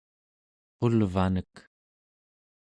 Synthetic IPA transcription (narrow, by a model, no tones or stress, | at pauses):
qolvanək